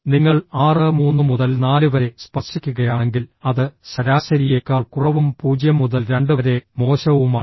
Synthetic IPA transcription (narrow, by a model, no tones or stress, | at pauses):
niŋːɐɭaːrɨmuːnːɨmuðɐlnaːlɨʋɐɾe̞spɐrʂikʲːuɣɐjaːɳe̞ŋɡilɐðɨɕɐɾaːɕɐɾijeːkːaːɭkurɐʋumpuːd͡ʑjɐmːuðɐlɾe̞ɳɖɨɐɾe̞mo̞ːɕɐʋumaːɳ